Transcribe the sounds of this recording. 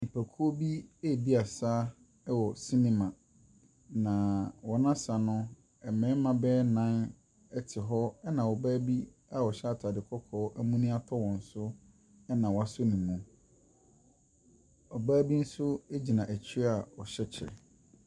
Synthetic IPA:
nĩ˨pʰæ˨kʰu˦o˦bi˦e˦˨di˦a˨saː˦ | ɛ˦wɔ˨sĩ˦nĩ˦mã˨ | nã˨wɔ˨nã˦sa˨nʊ̃˦ | ɛ˨mɛ̃˨˦mã˨bɛː˦nã˦n | ɛ˦tʰɪ˨ɦɔ˦ɛ˦nã˨wɔ˨baː˦bi˦ | a˨wɔ˨ɕɛ˦a˨tʰa˨dɪ˨kʰɔ˦kʰɔː˨˦ʔæ˦mũ˦nĩ˦a˦tʰɔ˦wɔ̃˨n̩˨sʊ˦ | ɛ˦nã˨wa˦sʊ˦nĩ˨mũ˨ | ɔ˨baː˦bi˦n̩˦sʊ˦e˦d͡ʑi˨nã˨ʔæ˨t͡ɕʰi˦ɾa˨ɔ˨ɕɛ˦t͡ɕʰɛ̰˨

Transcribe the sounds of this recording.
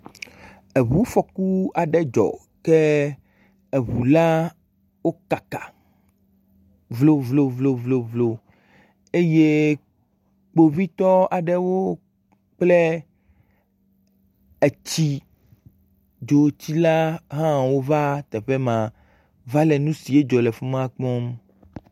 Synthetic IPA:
e˨βu˦fɔ˨ku˦a˨ɖɛ˦d͡ʒɔ̰˨ | ke˦ | e˨βu˨la˦ | wo˦ka˨kḁ˨ | vlo˦vlo˨vlo˦vlo˨vlo˨ | e˦je˦ | k͡po˨vi˦t̪ɔ˦a˨ɖɛ˦wo˦ | k͡plɛ˦ | e˨t͡ɕi˦ | d͡ʒo˨˦t͡ɕi˦la˦ɦã˦wo˦va˦t̪ɛ˨ɸe˦mã˨ | va˦lɛ˨nũ˦si˨e˦d͡ʒɔ˨le˨fo˦mã˦k͡pɔ̃˦m

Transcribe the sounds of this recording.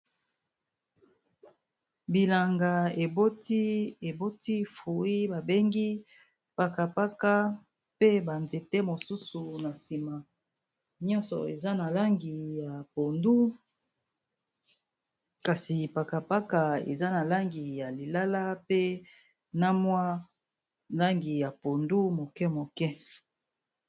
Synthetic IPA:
bi˨la˨ŋɡa˨e˨bo˦ti˦e˨bo˦ti˦fu˨i˦ba˨be˦ŋɡi˦ | pa˨ka˨pa˦ka˦ | pe˦ba˨nze˨tɛ˦mo˨su˦su˨na˨si˨ma˨ | ɲɔ˦nsɔ̰˨e˨za˦na˨la˦ŋɡi˨ja˨po˨ndu˦ | ka˨si˨pa˨ka˨pa˦ka˨ḛ˨za˦na˨la˦ŋɡi˨ja˨li˨la˦la˦pe˦ | na˦mwa˦ | la˦ŋɡi˨ja˨po˨ndu˦mo˨kɛ˦mo˨kɛ˦

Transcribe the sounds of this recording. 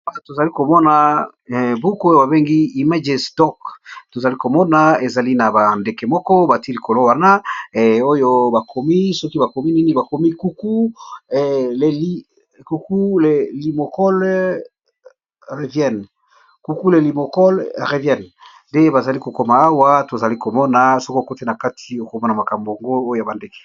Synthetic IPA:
a˦˨to˨za˨li˦ko˨mɔ˦na˨ | bu˦kjo˦ba˨βe˦ŋɡi˦i˨ma˦d͡ʒɛ˨stɔ˦kto˨za˨li˦ko˨mɔ˦na˦e˨za˨li˦na˨ba˨nde˨ke˨mɔ˦kɔ˦ba˨ti˦li˨ko˨lo˦wa˦na˦˨o˦jo˦ba˨kʰo˨mi˦sɔ˦ki˦ba˨ko˨mi˦ni˦ni˦ba˨ko˨mi˦ku˦ku˦ | le˨li˦ | ku˨ku˦le˨li˨mo˨kɔ˦l | ʁe˨vjɛ˦˨n | ku˨ku˦le˨li˨mo˨kɔ˦lʁe˨vjɛ˦n | de˦ba˨za˨li˦ko˨ko˦ma˨a˦wa˦to˨za˨li˦ko˨mɔ˦na˨sɔ˦ko˦˨ko˦te˦na˨ka˦tʰi˨o˨ko˨mɔ˦na˨ma˨ka˨mbo˨a˨ŋɡo˦o˦jo˨ja˨ba˨nde˦ke̥˨

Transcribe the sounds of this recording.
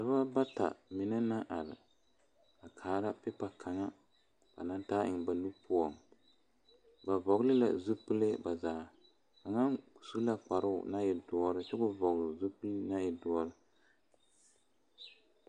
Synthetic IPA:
da˨βa˦ba˦ta̰˨mɪ˨nɛ˦na˦ʔa˨ɾɪ̰˨ | a˨kʰaː˨˦ɾa˦pɪ˦pa˦kʰa˨ŋa˦ | ba̰˨na˦ntaː˦ʔɪ˨ŋ˨ba˨nu˦pʰʊ˦ɔ˨ŋ | ba˨vɔ˨ɡlɨ˦la̰˨zu˦pɨ˦le˦ba˨zaː˨˦˨ | ka˨ŋa˦ŋku̥˨su˦la˦k͡pa˨ɾɨ˦ʊ̰˨na˦jɛ˨dɔ˨ɔ˦ɾɨ˦t͡ʃɛ˦ɡʊ˦vɔ˨ɣlʊ˨zu˦pɨ˦lna˦jɛ˨dɔ˨˦ɔ˦ɾɨ˦

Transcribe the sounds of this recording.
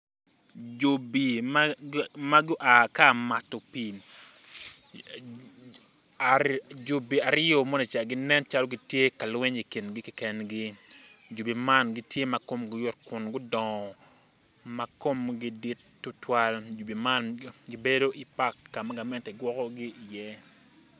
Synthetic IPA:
d͡ʒo˨bi˨m | ma˦ɡʊ˦ʔa˨ka˦˨ma˨to˨pi˨ | d͡ʒu˨bi˨a˨ɾɪ˦o˨mɔ˦ne˨t͡ʃa˨ɡɪ˦nɛ˦nt͡ʃa˦lo˦ɡi˨tje˦ka˨lwɛ˦ɲi˨ki˨nɡi˦ki˨kɛ˨nɡi˦ | d͡ʒu˨bi˨ma˦˨nɡi˦tʰje˦ma˨ko˦mɡʊ˦jɔ˦t̚kʊ˨nɡʊ˦dɔ˨ŋɔ˨ | ma˦ko˦mɡɪ˦di˦tːu˦twa˦ld͡ʒu˨bi˨ma˦nɡɪ˦be˦do˦ʔi˨pa˦kːa˨ma˦ɡa˨mɛ˦ntɛ˨ɡwɔ˦kɔ˦ɡɪ˦i˨jɛ˦

